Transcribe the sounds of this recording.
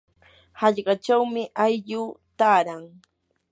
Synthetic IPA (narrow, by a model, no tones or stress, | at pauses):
hɑʎɢɑʈ͡ʂawmɪʔajʎʊːt̪aːɾaŋ